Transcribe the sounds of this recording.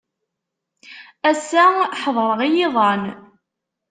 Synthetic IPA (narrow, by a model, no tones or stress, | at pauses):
æsːæħðˤɾˤəʁijɪðˤɑn